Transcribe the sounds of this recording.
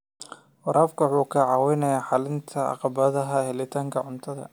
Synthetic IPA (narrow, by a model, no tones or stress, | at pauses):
wɐɾʔaːfkʰɐwħuːkʰɐʕɑwɛjnɐjaːħɑlɪnt̪ʰɐɑ̰qɑbɐðɐɦɐhɛlɪt̪ʰaːŋkʰɐʕʊnt̪ʰɐðɐ̰